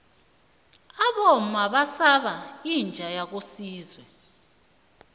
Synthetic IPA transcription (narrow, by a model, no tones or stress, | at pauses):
aɓɔmaɓasaɓaind͡ʒʱajak̬osiːzwɛ